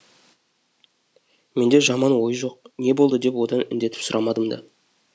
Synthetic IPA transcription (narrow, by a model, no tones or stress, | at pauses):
me̞nd̪e̞ʒɑmɑnwo̞jəʒo̞q̚ne̞bo̞lˠd̪əd̪e̞pwo̞d̪ɑnɪ̰nd̪e̞t̪ɪ̥psʊɾʔɑmɑd̪əmd̪ɑ̰